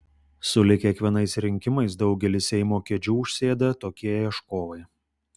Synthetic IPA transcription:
sʊlʲɪkʲiɛkʋʲiɛnɐɪsɾʲɪŋʲkʲɪmɐɪsd̪ɒʊɡʲɛlʲɪsʲɛɪmoːkʲɛd͡ʒʲuːʊʃʲsʲeːd̪ɐt̪oːkʲiɛjɐʃkoːʋɐɪ

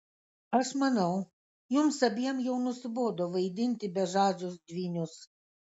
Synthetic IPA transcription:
ɐʃmɐnɐw | jumsɐbʲiɛmjɛwnʊsbɔd̪ɔʋɐjd̪ʲɪnʲt̪ʲɪbʲɛʒɑːʒʲʊsd̪ʲʋʲiːnʲʊs

